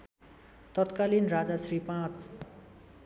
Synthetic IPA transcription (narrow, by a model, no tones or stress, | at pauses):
t̪ʌt̪kalinrad͡zasripãt͡s